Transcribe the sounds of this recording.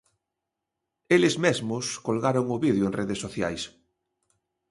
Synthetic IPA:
elezmezmʊskolɣaɾoŋʊβið̞joenreðesːoθja̰js

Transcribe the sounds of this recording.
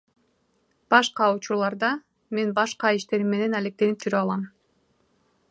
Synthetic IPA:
b̥ɑʃqɑut͡ʃuɾlˠɑɾd̪ɑ | me̞nbɑʃqɑiʃt̪e̞ɾimːe̞ne̞næle̞k̚t̪e̞nip̚d͡ʒʰyɾøɑlˠɑm

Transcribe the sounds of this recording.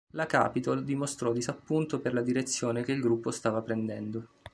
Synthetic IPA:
laka̰ːpit̪old̪imost̪ɾɔd̪isapːunt̪operlad̪iɾet̪sːjoːnekeilɡɾupːost̪aːvapɾend̪ɛnd̪o

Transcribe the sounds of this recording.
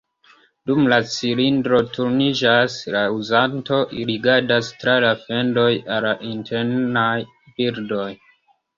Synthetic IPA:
dumlat͡silindɾo̞tʰuɾnid͡ʒaslauzanto̞ʔiɾiɡaɾdastɾalafe̞ndo̞jalaʔintʰe̞ɾnaj | biɾdo̞j

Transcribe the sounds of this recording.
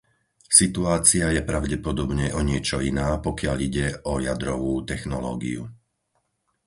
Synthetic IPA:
sit̪uaːt͡siajɛpɾaʊɟɛpɔd̪ɔbɲɛʔɔɲɪɛt͡ʃɔinaːpɔkɪaʎiɟɛʔɔjad̪ɾɔʋuːt̪ɛxnɔlɔ̰ːɡḭṵ

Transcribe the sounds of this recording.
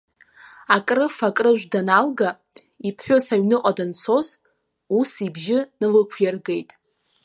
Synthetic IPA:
akʼrɨfakʼrɨʒʷᶣdanalɡa | ipʰħʷᶣosaɥnɨqʼadant͡sʰo̞z | usibʒɪnɨlɨkʷʰjarɡe̞jtʼ

